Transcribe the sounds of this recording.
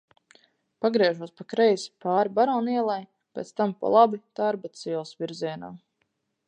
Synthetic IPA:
paɡɾiɛʒuɔspakɾɛjspaːɾibaɾɔːniɛlˠaj | pʲḛːt̪st̪ampa̰lˠabit̪aɾbat̪siɛlˠsviɾziɛnaː

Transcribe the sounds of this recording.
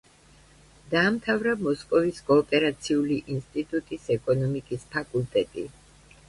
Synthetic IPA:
d̪aːmt̪ʰavɾamɔskʼɔviskʼɔːpʼɛɾat̪sʰiuliʔinst̪ʼit̪ʼut̪ʼisɛkʼɔnɔmikʼispʰakʼulˠt̪ʼɛt̪ʼi

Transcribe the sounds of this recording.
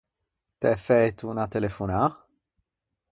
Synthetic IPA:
t̪ɛfɛt̪unɐt̪ɛlɛfuna

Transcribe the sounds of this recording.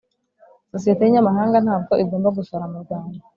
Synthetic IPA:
sosije̞te̞jiɲamaɦaːŋɡan̥haːb̚ɡo̞ʔiɡo̞ːmbaɡusoɾamuɾɡaːndo

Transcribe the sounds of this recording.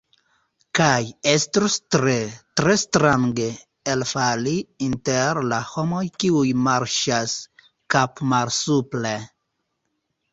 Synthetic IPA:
kajɛst̪ɾost̪ɾet̪ɾest̪ɾãŋɡe | elfaliint̪ɛɾlahɔmojkiujmaɾʃas | kapmaɾsuple

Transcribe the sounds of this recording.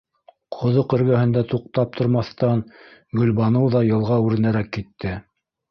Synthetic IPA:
qʰŏðoqɘ̆ɾɡæhɘ̆nd̪æt̪uqt̪ɑp̚t̪ʰŏɾmɑθt̪ɑnɡɵ̆lβɑnɤwðɑjɤ̆lˠʁɑʉɾɘ̆næɾækːit̪ːɘ

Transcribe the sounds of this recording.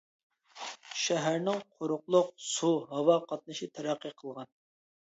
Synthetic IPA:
ʃɛɦæɾnɪŋqʰoɾʊqlˠʊq̚suɦɑwɑqʰɑt̪̚nɨʃit̪ʰæɾæqʰːiqʰəlˠʁɑn

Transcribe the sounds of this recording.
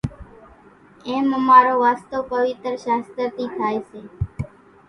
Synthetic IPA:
eːməmaːɾoːʋaːst̪oːpəʋɪt̪ɾʃaːst̪əɾt̪ʰiːt̪ʰaːeseː

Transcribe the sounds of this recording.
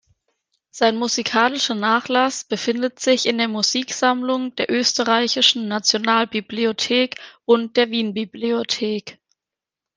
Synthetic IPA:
z̥aɪnmuzikʰaːlɪʃɐnaːχlasb̥əfɪndətz̥ɪçɪndeːɐmuziːkz̥amlʊŋd̥eːɐʔøːstəʁaɪçɪʃn̩nat͡sjonaːlbibliotʰeːkʔʊnt̚d̥eːɐviːnbibliotʰeːk

